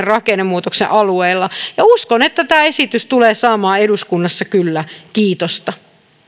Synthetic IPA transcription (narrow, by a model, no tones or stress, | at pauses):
rrɑkenːemuːt̪oksḛʔɑlueilːɑjɑuskonet̪ːæt̪æːesit̪yst̪uleːsɑːmɑːeduskunːɑsːɑkylːækiːt̪ost̪ɑ